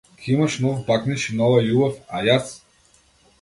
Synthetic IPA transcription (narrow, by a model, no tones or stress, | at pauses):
kʲʰiimaʃnɔvbakniʃinɔvajubafajas